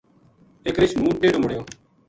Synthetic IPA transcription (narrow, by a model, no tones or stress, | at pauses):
eːkɾɪt͡ʃmũːʈeːɽoːməɽ̤joː